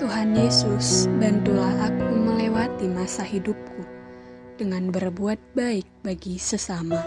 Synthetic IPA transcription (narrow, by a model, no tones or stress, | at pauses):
t̪uɦanjesusbant̪ulahakuməlewat̪imasahidup̚ku | d̥əŋanbərbuat̪̚baɪk̚baɡisəsama